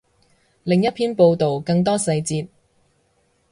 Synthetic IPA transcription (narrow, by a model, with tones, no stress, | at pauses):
lɪ˨ŋjɐ˥t̚pʰiː˥npo˧wt̪o˨wkɐ˧ŋt̪̬ɔː˥sɐ˧jt͡siː˧t̚